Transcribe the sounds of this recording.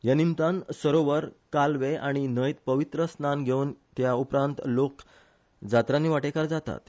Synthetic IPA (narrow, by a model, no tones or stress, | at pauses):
janimt̪ãnsəɾoʋəɾkalʋeaɽ̃inəjt̪pəʋit̪ɾəsnanɡʱent̪jaupɾãnt̪lok | d͡zat̪ɾanːiʋaʈekaɾd͡zat̪a̰t̪